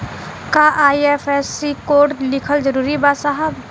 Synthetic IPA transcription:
kaːʔaːiefʰesikoːɾʈlɪkʰəld͡ʒəɾuːɾibaːt̪saɦəb̚

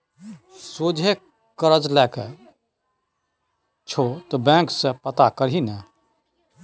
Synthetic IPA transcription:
soːd͡ʒʱe | kəɾəd͡ʒlɛːke | t͡ʃʰot̪obɛ̃ːksepət̪akəɾɦinɛ

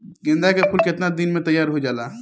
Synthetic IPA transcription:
ɡɪnd̪akepʰʊlkɪt̪nad̪inmẽt̪əjːaːɾɦod͡ʒaːlaː

